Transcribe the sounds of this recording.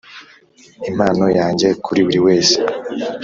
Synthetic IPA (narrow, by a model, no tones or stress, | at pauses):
im̥aːno̞jaːɲɟe̞kʰuɾiβuɾiweːse̥